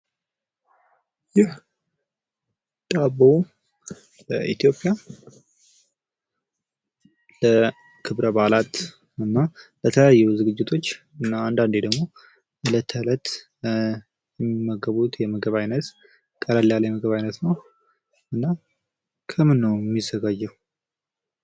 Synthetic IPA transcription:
jɪh | d̪ʼabəw | ləʔit̪ʰijo̞pʼja | lə | kʰɨβɾəbalat̪ | ɨnːabət̪ʰəlajajːuzɨɡɨd͡ʒːɪt̪ʰo̞t͡ʃː | ɨnːaand̪and̪ed̪əɡmo̞ | lət̪ʰːələt̪ | jɛmːimːəɡəβut̪jɛməɡəβajnət̪ | kʼːəlalejaljɛməɡəβajnət̪nəw | ʔɨnːa | kʰəmɨnːəwɛmːizːəɡad͡ʒːɛw

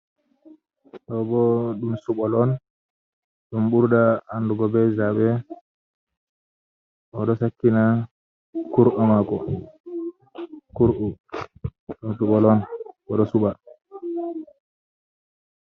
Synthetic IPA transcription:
ɗɔbɔɗumsuɓɔlɔn | ɗumɓuɾdaːnduɡɔbɛzaɓɛ | ʔɔɗɔsakːina | kuɾʔɔmakɔ | kuɾʔu | ɗumsuɓɔlɔnɔɗɔsuɓa

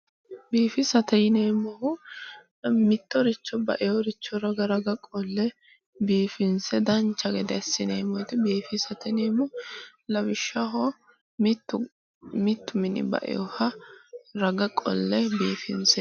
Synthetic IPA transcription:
biːfɪsɐt̪ɛjɪneːmɔhʊ | mɪt̪ːɔɾɪt͡ʃːɔbɐ̰ʔɪjɔɾɪt͡ʃːɔɾɐɡɐɾɐɡɐkʼɔlːɛ | biːfɪnsɛd̪ɐnt͡ʃːɐɡɛd̪ɛɐsːɪneːmɔjt̪ɪbiːfɪsɐt̪ɛneːmɔlɐbɪʃːɐɦɔ | t̪ː | mɪt̪ːʊmɪnɪ̰bɐ̰ʔɪ̰jɔ̰hɐ | ɾɐɡɐkʼɔ̰lːɛbiːfɪnsɛ

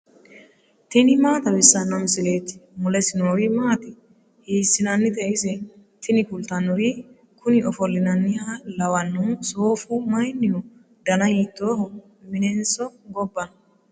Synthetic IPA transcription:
t̪ɪnɪmaːt̪ɐbɪsːɐnːɔmsɪleːt̪ːɪ̥mʊlɛsɪnoːɾimaːt̪ɪ | hiːsːɪnɐnːɪt̪ɛʔɪsɛ | t̪ʰɪnɪkʊlt̪ɐnːʊɾi | kʰʊnɪɔfɔlːɪnɐnːɪhalɐwɐnːusoːfumɐjnːɪjʊ | d̪ɐnɐjiːt̪ːoːhɔ | mɪnɛnsɔɡɔbːɐn

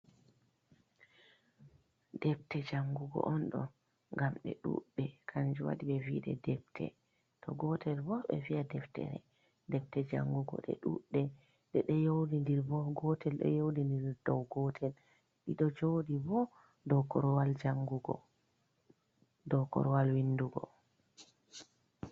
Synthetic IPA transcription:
dɛptɛd͡ʒaŋɡuɡɔ̰ʔɔnɗɔ̰ | ŋɡamɗɛ̰ɗṵɗːɛkʰaɲd͡ʒuwa̰ɗiɓɛviɗɛ̰dɛp̚tʰɛ̰ | tɔɡɔtʰɛlbɔɓɛ̰viadɛftɛ̰ɾɛ̰ | dɛp̚tɛd͡ʒaŋɡuɡɔ̰ɗɛ̰ɗṵɗːɛ | ɗɛɗɛjowdindiɾbɔɡɔtʰɛlɗɛ̰jowdindiɾdɔwɡɔtʰɛl | ɗiɗɔd͡ʒodibɔ | dɔkɔɾɔwald͡ʒaŋɡuɡɔ̰ | dɔkɔ̰ɾɔwalwinduɡɔ̰

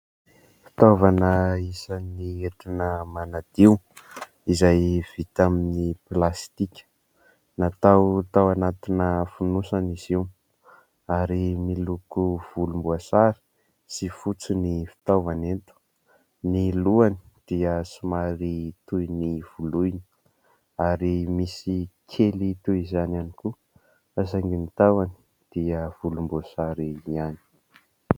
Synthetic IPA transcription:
fi̥t̪ovanəisanieʈ͡ʂinəmanad̪̥iw | izajv̥it̪aminiplast̪ikʲə̥ | nat̪awt̪awanat̪inəfunusaniziw | aɾimilukuv̥ulumbuasaɾi̥ | sifut͡sinifi̥t̪avanet̪u̥ | niluani̥d̪̥iəsumaɾit̪ujniv̥uluinə̥ | aɾimisikʲʰelit̪uizananiku | azaŋɡimit̪avani̥ | d̪̥iəv̥ulumbuasaɾiiani̥

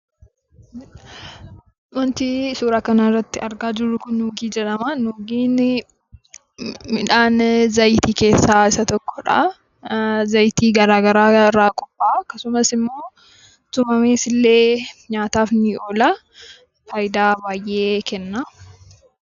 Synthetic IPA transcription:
wɐnt̪isuːɾaːkɐnɐɪrːɐt̪ːɪɐɾɡaːd͡ʒɪrːʊkʊnːuːɡiːd͡ʒɛᶑɐmanuːɡiːn | mɪᶑaːnzɐjt̪iːke̞ːsːaːɪsɐt̪ɔkːɔ̥ᶑɐ̰ | zɐjt̪iːɡɐɾaːɡɐɾaːɪrːaːkʼɔpʼːaːkɐsʊmɐsɪmːo̞ː | t̪ʊmɐmeːsɪlːe̞ːɲaːt̪aːfnɪoːla | fɐjɪd̪aːbaːjʔe̞ːkɛnːaː

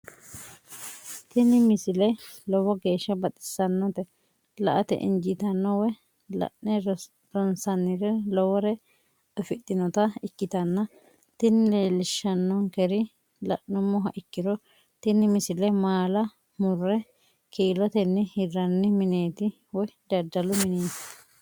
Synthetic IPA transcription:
t̪ɪnɪmɪsɪlɛlɔwɔɡe̞ːʃːɐbɐt̪ʼɪ̥sɐnːɔt̪ɛ | lɐʔɐt̪ɛ̰ʔɪ̰nd͡ʒɪt̪ɐnːɔwɔ | lɐ̰ʔnɛ | ɾɔnsɐnːɪɾɛlɔwɔɾɛ | ɔfɪt̪ʼːɪnɔt̪ɐɪkːɪt̪ɐnːɐ | t̪ɪnːɪleːlɪʃːɐnːɔnkɛɾɪ | lɐ̰ʔɔmːɔɦɐʔɪkːɪɾɔ | t̪ɪnːɪmɪsɪlɛmaːlɐ | mʊrːɛ | kʰiːlɔt̪ɛnːɪhɪrɐnːɪmɪneːt̪ɪ | wɔjd̪ɐd̪ɐlʊmɪneːt̪ɪ̥

